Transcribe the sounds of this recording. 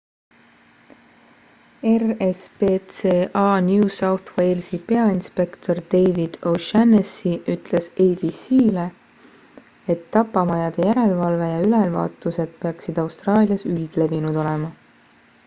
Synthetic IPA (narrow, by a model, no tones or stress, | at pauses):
e̞respeːt̪seːʔɑːnjuːsɑwθwe̞jlsipe̞ɑinspe̞kt̪ʰo̞rd̪̥e̞jvid̪̥oʃænesiʔyt̪ˑle̞sejb̥isiːle̞ | et̪ːɑpːˑɑmɑjɑd̪̥e̞jæɾe̞lvɑlve̞jɑylɛlvɑ̰ːt̪ːˑuse̞d̪̥̚pe̞ɑksid̪̥ɑwst̪rɑːlʲijɑsyjd̪̥le̞vinud̪o̞le̞mɑ